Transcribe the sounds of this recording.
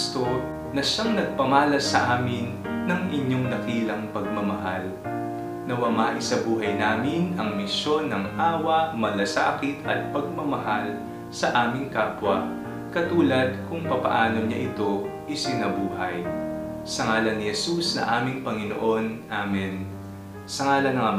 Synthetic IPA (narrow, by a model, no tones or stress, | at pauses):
st̪o | nɐʃaŋnɐɡ̚pɐŋaːlɐsɐʔaːmɪnː | ɐŋʔɪɲo̞ŋnɐkiːlɐŋpɐɡ̚mɐmɐɦal | nɐwɐmaʔɪsɐbuːɦɐjnaːmɪnɐŋmɪsjo̞nːɐŋʔaːwɐʔmɐlɐsa̰ːkɪt̪ʰɐ̰t̪̚pɐɡ̚mɐmɐɦal | sɐʔaːmɪŋkaːpwɐ | kɐt̪uːlɐd̪̚kʊŋpɐpɐ̰ʔaːno̞ɲaʔɪt̪o̞ʔɪsɪnɐbuːɦɐjsɐŋaːlɐnːɪhɛsusnɐ̰ŋʔaːmɪŋpɐŋɪno̰ʔo̞nʔaːmɛn | sɐŋaːlɐnɐŋɐ